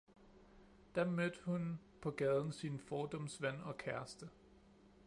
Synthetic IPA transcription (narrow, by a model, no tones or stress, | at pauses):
d̥ɑ̈mød̥hun | pʰɒ̽ɡ̥ɛːð̞ˠn̩sinfɒːd̥ɒ̽msʋæn̰ɒ̽kʰæɐ̰sd̥ə